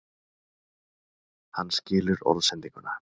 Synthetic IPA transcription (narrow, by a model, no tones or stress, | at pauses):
hanːscɪːlʏɾo̰ðsɛnt̪iŋkʏna